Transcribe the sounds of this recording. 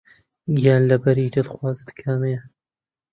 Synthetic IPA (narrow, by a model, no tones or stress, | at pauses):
ɡjaːnlɐbɐɾiːd͡ʒed̪ɨxwɑːzd̪kʰame